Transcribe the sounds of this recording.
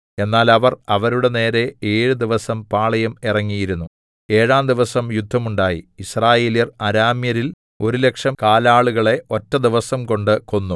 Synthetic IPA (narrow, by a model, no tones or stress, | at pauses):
e̞nːaːlɐʋɐrɐʋɐɾuɽe̞ne̞ːɾe̞eːɻud̪iʋɐsɐmpaːɭɐjɐmirɐŋːijiɾunːu | e̞ːɻaːmd̪iʋɐsɐmjud̪ʱːɐmuɳɖaːjḭisraːje̞ːlijɐrɐɾaːmjɐɾil | o̞ɾule̞kʂɐmkaːlaːɭuɣɐɭe̞o̞tːɐd̪iʋɐsɐmko̞ɳɖɨko̞nːu